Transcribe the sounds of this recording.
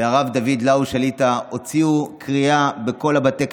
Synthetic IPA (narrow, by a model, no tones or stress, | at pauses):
eaʁavdavid̪lauʃalitao̞t͡siukʰʁiabeko̞labat̪ek